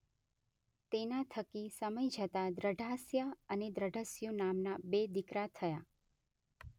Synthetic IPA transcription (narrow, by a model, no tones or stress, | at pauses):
t̪enat̪ʰəkisəməjd͡ʒʱət̪ad̪ɾəɖʱasjəəned̪ɾəɖʱəsjunamnabed̪ikɾat̪ʰəja